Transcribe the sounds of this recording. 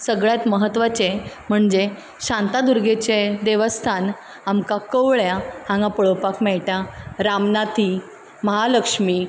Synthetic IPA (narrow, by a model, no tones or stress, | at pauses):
səɡɭjat̪məɦət̪ːʋat͡ɕem̤əɳd͡ʑe | ɕant̪ad̪uɾɡet͡ɕed̪eʋəst̪ʰan | amkakəʋɭjahãŋɡapəɭopakmɛɭʈãɾamnat̪ʰi | məɦaləkʂmiː